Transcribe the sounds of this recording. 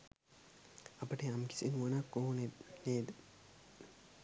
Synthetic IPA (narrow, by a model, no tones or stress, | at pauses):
ɐpəʈeamki̥sinuʋɐnakːoːneneːd̪ə